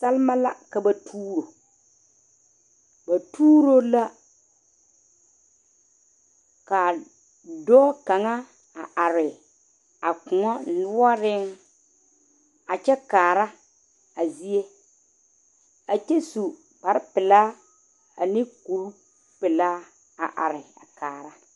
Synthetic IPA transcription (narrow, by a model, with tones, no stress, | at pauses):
sa˦lɪ˦ma˦la˦ka˨ba˨tʰuː˦ɾo˨ | ba˨tuː˦ɾo˦la˦ | ka˨ | dɔː˦ka˨ŋa˦ | a˨ʔa˨ɾɪ˨ | a˨kʊ˨ŋɔ˦nʊ˦ɔ˦ɾɪ˦ŋ | a˨t͡ʃɛ˦kaː˨ɾa˦ | a˨zi˦e˦ | a˨t͡ʃɛ˦su˨ | pa˨ɾɪ˦pɪ˨la˦ | a˨nɪ˦ku˨ɾu˦ | pɪ˨la˦ | a˨ʔa̰˨ɾɪ˨a̰˨kaː˨ɾa˦